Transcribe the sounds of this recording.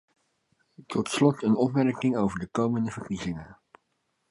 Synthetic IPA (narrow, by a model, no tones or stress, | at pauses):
tɔtslɔtənɔpmɛɹkɪŋowvəɹdəkowməndəv̥əɹkizɪŋə